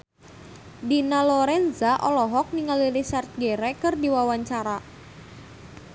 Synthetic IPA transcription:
dinalɔɾɛnzaʔɔlɔɦɔk̚niŋalilisart̪̚ɡɛɾɛkɨrdiwawaɲt͡ʃaɾa

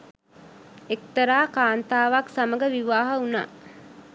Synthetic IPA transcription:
ek̚t̪əɾaːkaːnt̪aːʋaksaməɡəʋiʋaːɦəuna̰ː

